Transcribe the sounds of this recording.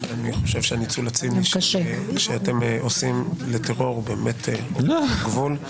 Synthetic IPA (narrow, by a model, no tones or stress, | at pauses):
aniχo̞ʃevʃeanit͡sulat͡siniʃʃʃeatemʔosimleteʁo̞ʁbeːmetʰeoɡvul